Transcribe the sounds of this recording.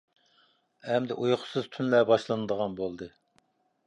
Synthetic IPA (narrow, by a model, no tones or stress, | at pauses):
ɛmd̪ɪʔujχʰʊ̥sɨzt̪ʰynlɛbɑʃlˠɨnɨd̪əʁɑnbolˠd̪ɨ